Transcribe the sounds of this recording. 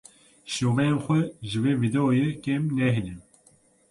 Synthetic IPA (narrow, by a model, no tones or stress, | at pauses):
ʃoːvɛjenxʷɛʒɨveːvid̪ɛojekemnɛɦinim